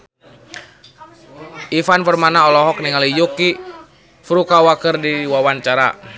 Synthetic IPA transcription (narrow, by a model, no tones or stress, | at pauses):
ʔifanpərmanaɔlɔɦɔk̚niŋalijuki | fɾukawakərdiwawaɲt͡ʃaɾa̰